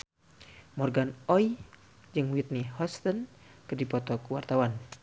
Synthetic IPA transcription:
mɔrɡanɔj | d͡ʒɨŋwit̪nihɔst̪ɔnkɨrdipɔt̪ɔkuwart̪awan

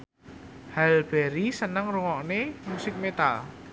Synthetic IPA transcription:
halb̥ɛɾisənəŋruŋɔʔnemusɪk̚met̪a̰l

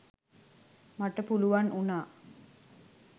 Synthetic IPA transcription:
maʈəpuluʋanʔunaː

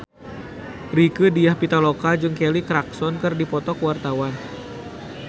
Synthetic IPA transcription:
rikədijahpit̪alokad͡ʒɨŋkelikɾaksɔnkɨrdipɔt̪ɔkwart̪awan

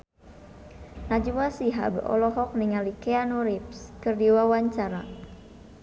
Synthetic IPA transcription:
nad͡ʒuwasiɦa̰bɔ̰lɔɦɔk̚niŋalikɛanuɾipskɨrdiwawaɲt͡ʃaɾa

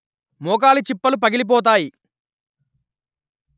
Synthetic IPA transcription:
mɔːk̬aːlit͡ʃipːɐlupɐɡilip̬ɔːt̪̬aːji

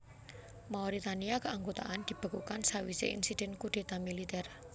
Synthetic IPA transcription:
maɔɾit̪aniakəʔaŋɡot̪a̰ʔand̪̥i̤b̥ə̤kukansawisḛḭnsid̥ɛ̤nkuɖ̥e̤t̪amilit̪ɛr

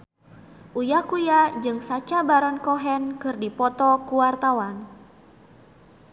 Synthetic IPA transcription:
ʔujakujad͡ʒɨŋsat͡ʃabaɾɔnkɔɦɛnkɨrdipɔt̪ɔkuwart̪awan

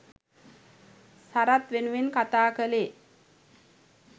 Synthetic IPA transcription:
saɾat̪ʋenuʋenkat̪aːkəleː

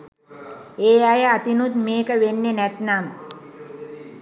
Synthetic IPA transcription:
eːajəat̪inut̪meːkəʋenːenæt̪nam

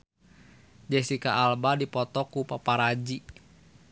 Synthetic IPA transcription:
d͡ʒɛsikaʔːlbadipɔt̪ɔkupapaɾad͡ʒi

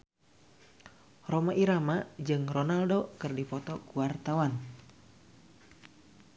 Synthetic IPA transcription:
romaʔiɾamad͡ʒɨŋrɔnaldokɨrdipɔt̪ɔkuwart̪awan

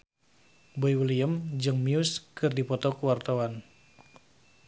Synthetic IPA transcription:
boiwəliəmd͡ʒɨŋmiuskɨrdipɔt̪ɔkuwart̪awan

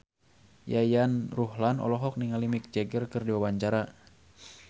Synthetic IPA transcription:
jajanruhlanɔ̰lɔɦɔk̚niŋalimik̚d͡ʒɛɡərkɨrdiwawaɲt͡ʃaɾa

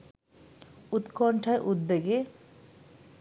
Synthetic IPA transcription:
ut̪kɔɳʈʰaeʔud̪̚beɡe

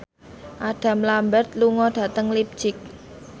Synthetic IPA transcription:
ʔaɖ̥ä̤mlambərt̪̚luŋɔɖ̥ä̤t̪əŋlip̚d̥d͡ʒ̥ɪk̚

